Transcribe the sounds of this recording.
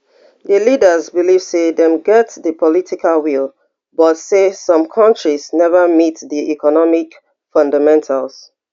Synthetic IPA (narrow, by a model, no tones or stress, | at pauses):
ðəlidə˞zbiliv̥seðɛ̃mɡɛtðəpʰɔlitʰikalˠwilˠ | bʌtsesʌ̃mkʰʌ̃nt͡ʃɹiz̥nɛvəmitðiʔikɔnɔmik | fɔ̃ndamɛ̃ntʰalˠz̥